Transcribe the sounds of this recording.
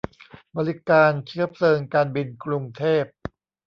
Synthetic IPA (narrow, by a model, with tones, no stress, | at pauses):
bɔː˧li˦˥kaː˧nt͡ɕʰɯ˦˥ɐpʰlɤː˧ŋkaː˧nbi˧nkɾu˧ŋt̪ʰeː˥˩p̚